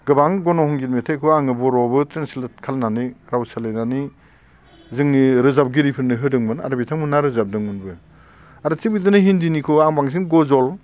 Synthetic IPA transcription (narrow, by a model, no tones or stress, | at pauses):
ɡɯbaŋɡɔnɔhɔŋɡitmetʰekʰɯaŋɯbɔɾɔbɯtɾensilet̚kʰalnaniɾawsalejnani | zɯŋniɾɯzap̚ɡiɾipʰɯɾnɯɦɯdɯŋmɯna̰ɾɯbitʰaŋmɯnaɾɯzap̚dɯŋɯnbɯ | aɾɯt͡ʃibɡidɯnɯɦindinikʰɯaŋbaŋz̬ɯŋɡɔzɔl